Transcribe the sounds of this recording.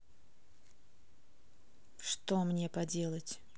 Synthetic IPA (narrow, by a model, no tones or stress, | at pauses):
ʂt̪omnʲepɐdʲe̞lˠətʲ